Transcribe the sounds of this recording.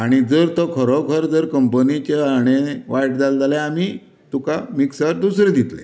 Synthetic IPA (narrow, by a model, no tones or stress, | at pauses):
aɽ̃id͡zəɾt̪ɔkʰəɾɔkʰəɾd͡zəɾkəmpənit͡ɕeaɽ̃eʋajʈ̚d͡zald͡zaleami | t̪ukamiksaɾd̪usɾed̪it̪lḛ